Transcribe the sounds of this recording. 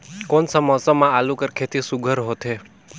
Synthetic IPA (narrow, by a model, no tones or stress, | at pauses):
konsəməsəmãalũkəɾkʰet̪isuɡʱəɾɦot̪ʰe